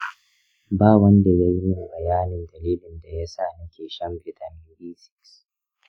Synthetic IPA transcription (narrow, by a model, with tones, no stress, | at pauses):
baː˦˨wɐ˦nda˨jɐ˦ɾi˦˨ʔbɐ˨jaː˦nɪ˨ndɐ˨liː˦lɪ˨nda˨ja˦sa˦˨nɐ˦kʲeː˨ʃɐ˦mbʼɪ˦˨tʰɐ˨mɪ˦biː˦sɪ̥˦ks